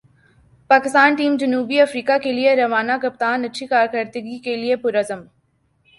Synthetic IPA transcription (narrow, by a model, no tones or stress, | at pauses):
paːkɪst̪aːnʈiːmd͡ʒɐnuːbiɐfɾiːkakelieɾɐʋaːnakɐp̚t̪aːnɐtːʃʰikaːɾkɐɾd̪əɡikeliepʊɾɐzəm